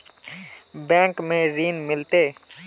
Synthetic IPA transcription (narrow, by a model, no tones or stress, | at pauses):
bɛ̃ːkmẽɾiːnmɪlt̪eː